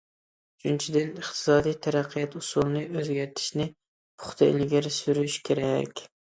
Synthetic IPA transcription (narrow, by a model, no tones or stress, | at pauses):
yt͡ʃʰynt͡ʃʰid̪ɪnɨχt̪ʰɨ̥sɑːd̪ijt̪ʰæɾæqʰːijɛt̪usulˠnɨøzɡʲæɾt̪ʰɪ̥ʃnɪ | pʰʊ̥χt̪ʰɨɪ̰lɡʲæɾsyɾyʃkʲʰeɾɛkʲ